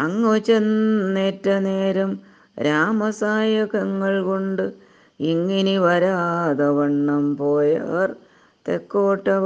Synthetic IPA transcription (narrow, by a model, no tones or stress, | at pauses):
ɐŋːot͡ɕːenːeːtːɐneːɾɐm | ɾaːmɐsaːjɐkɐŋːɐɭkoɳɖɨ | iŋːiniʋɐɾad̪ɐʋɐɳːɐmpoːjɐr | t̪ekːoːʈːɐ